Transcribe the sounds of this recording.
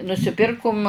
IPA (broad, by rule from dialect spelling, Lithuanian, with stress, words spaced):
nʊsʲɪˈpʲɪrkʊm